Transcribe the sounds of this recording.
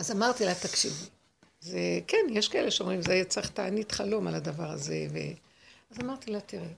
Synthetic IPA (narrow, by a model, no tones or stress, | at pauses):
azamaʁt̪ilat̪akʃivi | zekenjeʃkaʔe̞le̞ʃeomʁimzeajat͡saχt̪aːnit̪χalo̞malad̪avaʁaze̞vḛ | azamaʁt̪ilat̪iʁe